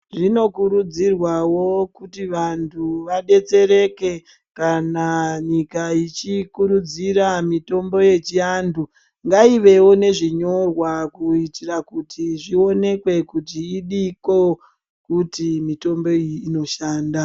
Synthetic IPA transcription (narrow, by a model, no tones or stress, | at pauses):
ʐino̞kuɾud͡zirwawo̞kutiʋantʰuʋaɗe̞t͡se̞ɾe̞ke̞ | kanaɲikait͡ʃikuɾud͡ziɾamito̞mbo̞je̞t͡ʃiandʰu | ŋɡaiʋe̞wo̞ne̞ʐiɲo̞rwakuitirakutʰiʐio̞ne̞kwe̞kutiːɗiko̞ | kutimito̞mbo̞iːno̞ʃaːnda